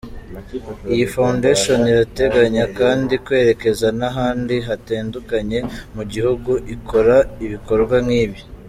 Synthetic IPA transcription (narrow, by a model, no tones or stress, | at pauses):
ijifaundeʃo̞niɾate̞ɡaɲakaːndikwe̞ːɾe̞ke̞zanaɦaːndiɦateːndukaɲe̞muɟihuɡuʔikʰo̞ɾaiβiko̞ɾɡwamŋiːβi